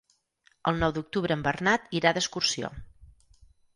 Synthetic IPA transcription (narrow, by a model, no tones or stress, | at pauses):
əlˠnɔwd̪uk̚t̪uβɾəːmbərnat̪iɾaðəskursio̰